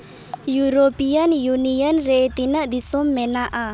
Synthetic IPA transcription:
juɾopijənjunijənɾet̪inəʔd̪isɔmːɛnaʔa

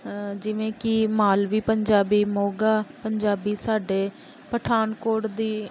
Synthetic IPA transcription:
d͡ʒɪʋẽːkɪmaːlʋiːpəɲd͡ʒaːbiːmoːɡaːpəɲd͡ʒaːbiːsaːɖeː | pəʈʰaːnkoːʈd̪iː

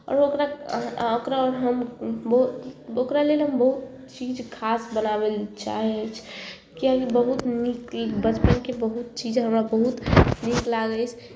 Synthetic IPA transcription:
ɔ̰ːɾokɾaokɾaɔɾɦəmbəɦut̪okɾalelɦəmbəɦut̪̚ | t͡ʃid͡ʒkʰasbənabelt͡ʃa̰ɦɛt͡ʃʰ | kiakibəɦut̪nikbət͡ʃpənkebəɦut̪̚t͡ʃid͡ʒɦəmɾabəɦut̪niklaɡəjt͡ʃʰ

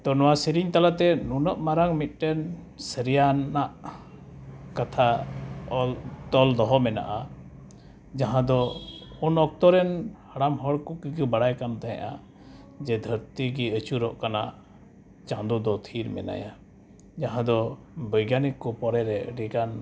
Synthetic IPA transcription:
t̪ɔnɔwasiɾiɲt̪alat̪ɛnunəʔmaɾaŋmit̪̚ˀʈɛn | səɾijaaʔ | kat̪ʰa | t̪ɔld̪ɔɦɔmɛna̰ʔa | d͡ʒaɦãd̪ɔunɔk̚t̪ɔɾɛnhaɽamɦɔɽkukikubaɽajkant̪ɛɦɛ̰̃ʔa | d͡ʒɛd̪ʱəɾt̪iɡiət͡ʃuɾɔʔkanaʔ | t͡ʃãnd̪ud̪ɔt̪ʰiɾmɛ̰na̰ja | d͡ʒaɦãd̪ɔ | bəjɡanikːɔpɔɾɛɾɛəɖikan

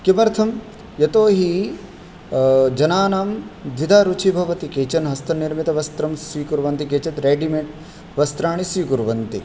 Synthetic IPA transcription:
kimɐɾt̪ʰɐm | jɐt̪oːɦi | d͡ʒɐnaːnaːmd̪ʱʋid̪ʱaːɾut͡ʃʰibʱɐʋɐt̪ikeːt͡ʃɐnɦɐst̪ʰɐnːiɾmit̪ɐʋɐst̪ɾɐmsʋiːkuɾʋɐnt̪ikeːt͡ʃɐt̪ɾeːɖimeɳʈ | ʋɐst̪ɾaːɳisʋiːkuɾʋɐnt̪ḭ

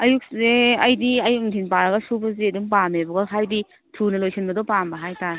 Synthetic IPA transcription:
ɐjuk̚zeɐjdiɐjukntʰinpaɾɐɡɐsubɐzedumpamebɐɡɐɦajdi | tʰunɐlojsinbɐdɔpambɐɦajtaɾe

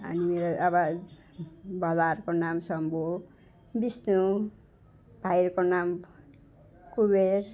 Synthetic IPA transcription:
ʌ̰nimeɾoabʌ | bʱʌlarkonamsʌmbo | bisnu | b̥ʱajɾkonam | kuber

